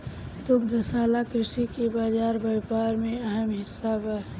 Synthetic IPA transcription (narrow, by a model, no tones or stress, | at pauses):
t̪ʊkd̪ʱəsaːlakɾɪʃikebaːd͡ʒaːɾbəjpaːɾmẽəɦəmɦɪsːabə